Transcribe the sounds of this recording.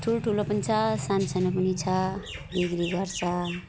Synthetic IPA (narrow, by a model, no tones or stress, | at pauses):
ʈʰulʈʰulopʌnit͡sʰʌsansanapʌnit͡sʰʌbiɡɾiɡʌɾt͡sʰʌ